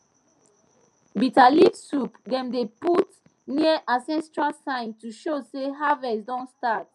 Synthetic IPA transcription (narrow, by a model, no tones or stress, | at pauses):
bitalivsupdɛ̃mdeput | niəʔasɛ̃nstɹasãɪ̃ntuʃoseɦavɛsdɔ̃nstat̚